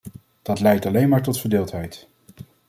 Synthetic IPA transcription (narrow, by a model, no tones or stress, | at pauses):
d̥ɑtlɛjtɑlejnmaːɹtɔtfəɹdɪːlˠtɦɛjt